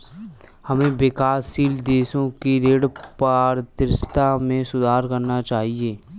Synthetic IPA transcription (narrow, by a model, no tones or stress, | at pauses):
hɐmẽbɪkaːsːiːld̪eːʃõkiɾeːɽpaːɾt̪ɪɾst̪amẽsʊd̪ʱaːɾkɐɾnat͡ʃaːɦieː